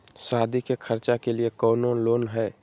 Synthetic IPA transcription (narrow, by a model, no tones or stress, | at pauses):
saːd̪ʱikekʰəɾt͡ʃakeliekɔːnoloːnɦɛː